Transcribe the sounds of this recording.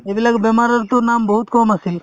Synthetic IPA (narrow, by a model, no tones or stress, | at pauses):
eʋilɐɡbɐmaɾɐɾt̪unaːmbɐɦut̪̚koːmɐsil